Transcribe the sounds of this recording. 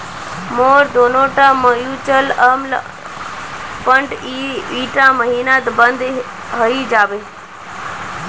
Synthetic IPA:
moːɾd̪oːnoʈãməjut͡ʃələml | pəɳʈiiːʈãməɦiːnat̪bənd̪ | ɦəid͡ʒaːʋe

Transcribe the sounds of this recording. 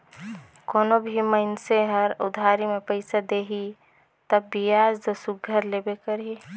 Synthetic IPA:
koːnobʱiməɪnseɦəɾʊd̪ʱaɾimepəɪsad̪eɦi | t̪əbbijad͡ʒd̪əsuɡʱəɾlebekəɾi

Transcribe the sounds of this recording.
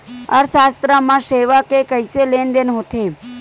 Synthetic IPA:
ə̰ɾsast̪ɾamãʃeʋakekəjselend̪enɦot̪ʰe

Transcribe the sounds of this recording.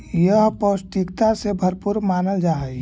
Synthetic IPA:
jəɦpəsʈikt̪asebʱəɾpuɾmaːnəld͡ʒaːɦə

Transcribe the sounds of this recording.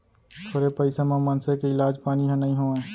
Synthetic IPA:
t̪ʰoːɾepəɪsemẽmɐnsekeɪlaːd͡ʒpaːniɦãnɐɦĩɦoːẽː

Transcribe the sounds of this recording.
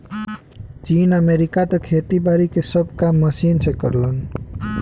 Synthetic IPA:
t͡sinʌmeɾikat̪ʌkʰet̪ibaɾikesʌbkamːʌsinsekʌɾlʌn

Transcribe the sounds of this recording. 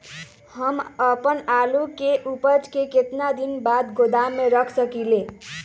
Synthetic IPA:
hʌməpənalukeʔupəd͡ʒkeket̪nad̪inbad̪ɡʱod̪amːeɾʌkʰsʌkile

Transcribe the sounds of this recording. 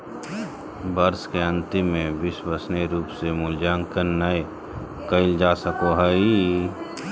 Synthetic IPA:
bəɾskeə̃nt̪ɪmːẽbɪsbəsneɾuːpsemʊld͡ʒaːŋkənəe | kəɪld͡ʒaːsəkoɦəi

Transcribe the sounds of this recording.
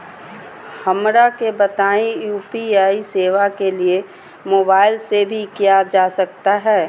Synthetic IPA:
hɐmɾakebət̪aːĩjuːpiaːiseːʋakelie | moːbaːɪlsebʱikijad͡ʒaːsɐkt̪aɦɛː

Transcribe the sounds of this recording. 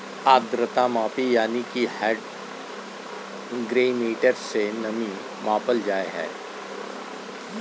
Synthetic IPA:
aːd̪ɾət̪amãːpijaːnikihɛːɖ | ɡɾeːmeːʈəɾsenɐmĩ | mãːpəld͡ʒaːeɦɛ̰ː

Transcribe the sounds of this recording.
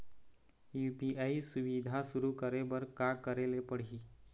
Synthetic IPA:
jupiʔaisuʋid̪ʱasuɾukəɾebəɾkakəɾelepəɽ̤i

